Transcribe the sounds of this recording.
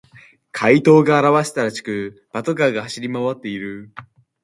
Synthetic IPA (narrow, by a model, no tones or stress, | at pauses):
kʰait̪o̞ːɡaːɾaβaɕi̥t̪aɾat͡ɕi̥kɯ̟b̥at̪oɡaɡahaɕiɾʲimaβat̪ːe̞iɾɯ̟